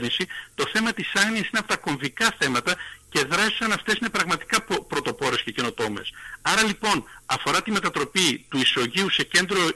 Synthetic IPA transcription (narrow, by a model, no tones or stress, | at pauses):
nisit̪o̞θe̞mɐt̪isɐɣniɐsineɐpot̪ɐko̞ɱvikɐθe̞mɐt̪ɐce̞ðɾɐsi̥sɐnɐft̪e̞sine̞pɾɐɣmɐt̪i̥kɐppɾo̞t̪o̞po̞ɾe̞sce̞ce̞no̞t̪o̞me̞̰sɐɾɐlipo̞nɐfo̞ɾɐt̪ime̞t̪ɐt̪ɾo̞pit̪uiso̞ʝiuse̞ce̞nd̪ɾo̞